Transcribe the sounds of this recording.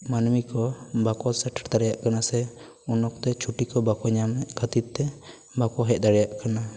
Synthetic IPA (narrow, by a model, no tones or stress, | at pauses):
manmikɔbakɔsɛʈʰaɾt̪aɾɛjaʔkanasɛ | unɔk̚t̪ɛt͡ʃʰuʈikɔbakɔɲamkʰat̪it̪t̪ːɛ | bakɔɦɛʔ̚ˀd̪aɽɛjaʔkana